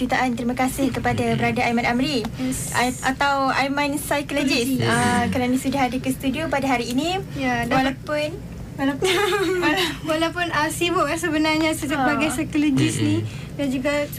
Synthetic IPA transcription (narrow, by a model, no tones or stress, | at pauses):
ut̪aʔant̪əɾimakasɪhkəpadabəɾadaajmãnamɾi | aat̪awajmansajkolod͡ʒɪsakaɾanĩsudahadəkəst̪udiopadaɦaɾiːnĩjawalapʊn | a | walawpʊnəsibʊʔasəbənarɲasəd͡ʒabaɡajsajkolod͡ʒɪsnĩ | dand͡ʒuɡa